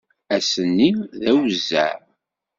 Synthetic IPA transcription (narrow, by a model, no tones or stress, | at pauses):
æsənːiðæwzːæ̰ʕ